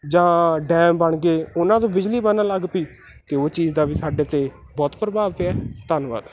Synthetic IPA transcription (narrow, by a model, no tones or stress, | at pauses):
d͡ʒãːɖɛːmbəɳɡeːʊnãːt̪õːbɪd͡ʒliːbənãːləɡpiː | t̪eːoːt͡ʃiːzd̪aːʋiːsaːɖeːt̪eː | bɔːt̪pɾəbaːʋpeɛːt̪ənʋa̰ːd̪